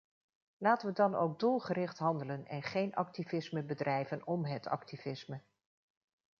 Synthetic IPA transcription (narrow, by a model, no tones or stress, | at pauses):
laːtəʋədɑno̰wk̚dulˠχərɪχtɦɑndələnɛ̰nχejnʔɑ̰k̚tivɪsməbədrɛjvənɔmɦətɑ̰k̚tivɪsmə